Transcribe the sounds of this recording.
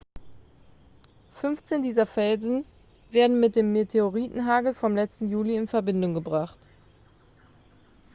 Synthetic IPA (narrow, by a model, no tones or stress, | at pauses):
fʏnft͡seːndiːzɐfɛlzn̩ | veːɐdn̩mɪt̚d̥eːmːetʰeoʁiːtn̩ɦaːɡl̩fɔmlɛt͡stn̩juːliɪnfɛɐbɪndʊŋɡəbʁaχt